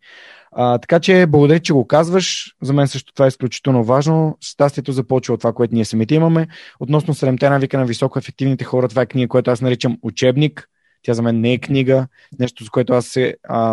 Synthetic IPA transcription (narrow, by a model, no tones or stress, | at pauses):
ət̪ɐ̥kat͡ʃɛblˠɐɡod̪ɐɾit̪t͡ʃɛɡokazvəʃzɐmɛnsɤʃt̪o̥t̪ovaɛisklʲʊt͡ʃi̥t̪ɛlˠnovaʒnost̪ast̪iɛt̪ozɐpɔlˠt͡ʃivəot̪ovakoɛt̪oniɛsɐmit̪ɛiməmɛot̪nɔsnosɛd̪ɛmt̪ɛnavikənɐvisɔkoɛfɛk̚t̪ivnit̪ɛxɔɾət̪ovaɛkniɡəkojɛt̪oasnɐɾit͡ʃəmut͡ʃɛbnik | t̪ʲjazɐmɛnːɛɛkniɡə | nɛʃt̪ozɐkoɛt̪oasɛə